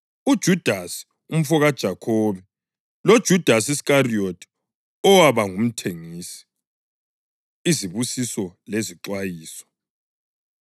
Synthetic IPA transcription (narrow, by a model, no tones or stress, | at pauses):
ud̥ʒ̥ʱud̥ʱasi̥ | um̩fɔɣad̥ʒ̥ʱakʰɔːβɛ | lod̥ʒ̥ʱud̥ʱasiskariotʰʼ | ɔwaβaŋum̩tʰeŋiːsi̥ | iziβusisɔleziǁwajiːsɔ̥